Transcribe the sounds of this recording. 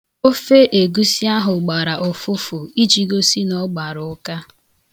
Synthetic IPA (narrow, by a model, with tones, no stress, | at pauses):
o˦fe˦ʔe˨ɡu˦si˦a˦ɦʊ˨ɡ͡ba˨ɾa˨ʔʊ˨fʊ˦fʊ˨i˦t͡ʃi˨ɡo˦si˦nɔ˦ɡ͡ba˨ɾʊ˨ʊ˦ka˦